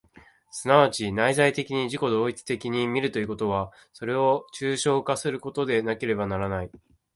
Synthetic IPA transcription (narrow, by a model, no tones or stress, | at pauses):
sɨnaβ̞at͡ɕinaizait̪e̞kʲiɲ̟iʑiko̞d̪oːit͡sɨ̥t̪e̞kʲiɲ̟imʲiɾɯ̟t̪o̞i̟ko̞t̪o̞β̞a | so̞ɾe̞o̞t͡ɕɨːɕo̞ːkasɨɾɯ̟ko̞t̪o̞d̪e̞nake̞ɾe̞banaɾanai